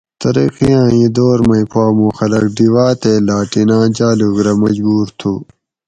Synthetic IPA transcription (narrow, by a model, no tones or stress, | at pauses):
t̪ɐɾḭqiãːĩːd̪oːɾmɐ̃ĩpʰaːmũːxɐlɐk̚ɖiwaːt̪eːlaːʈinãːd͡ʑaːluɡɾɐmɐd͡ʑbuːɾt̪ʰuː